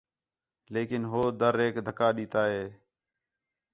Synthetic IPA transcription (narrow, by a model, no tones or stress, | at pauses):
leːkɪnɦoːd̪əɾeːkd̪ʱəkaːɗiːt̪aːɦeː